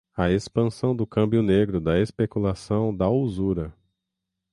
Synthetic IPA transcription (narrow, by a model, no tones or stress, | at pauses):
ɐespɐ̃sɐ̃w̃d̪ʊkɐ̃mbjʊneɡɾʊd̪ɐespekulasɐ̃w̃d̪ɐozuɾɐ